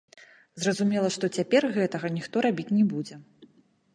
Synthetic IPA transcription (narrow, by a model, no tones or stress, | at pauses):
zrɐzumʲɛlˠɐʂt̪ɔt͡sʲapʲɛrɣɛt̪ɐɣɐnʲixt̪ɔɾabʲit͡sʲnʲɛbud͡zʲɛ